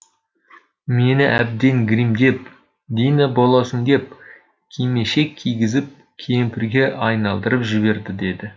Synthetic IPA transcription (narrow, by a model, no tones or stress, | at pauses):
me̞nɪʔæb̚d̪e̞ŋɡʲɾijmd̪e̞p̚ | d̪inɑbo̞lˠɑsəŋd̪e̞p̚ | kʲʰejme̞ʃe̞kʲʰijɡʲɪzɪp̚ | kʲʰempʰɪɾɡʲe̞ʔɑjnɑlˠd̪əɾəpʒɪβe̞ɾd̪ɪd̪e̞d̪ɪ